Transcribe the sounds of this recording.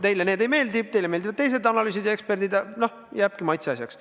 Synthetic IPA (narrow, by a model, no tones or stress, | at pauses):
t̪e̞jlene̞ːd̪e̞jme̞ːld̪ib̚t̪e̞jleme̞ːld̪ivɑt̪tejs̬e̞d̪ɑnɑlyːs̬id̪jɑe̞kspe̞rd̪id̪ɑno | jæːb̥̚kimɑjt̪seɑsʲjɑks